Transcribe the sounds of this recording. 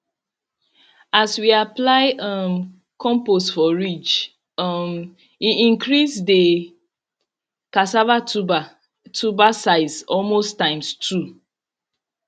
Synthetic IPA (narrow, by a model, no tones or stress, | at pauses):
aswiaplaɪʔʌm | kɔ̃mpostfɔɹit͡ʃ | ʌm | iĩŋkɾisdə | kasava | tʰubasaɪzɔlmostãɪ̃mstʰu